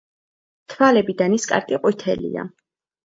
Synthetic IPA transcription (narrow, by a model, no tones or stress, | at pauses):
t̪ʰwalɛbid̪aniskʼa̰ɾkʼiqʼwit̪ʰɛ̰lḭa̰